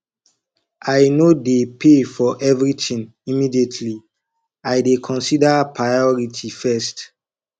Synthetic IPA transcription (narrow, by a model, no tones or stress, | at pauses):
ajnodepʰefɔʔɛvɹitʰĩn | imidietʰli | ajdekʰɔ̃nsidapʰɹajɔɹitʰifɛst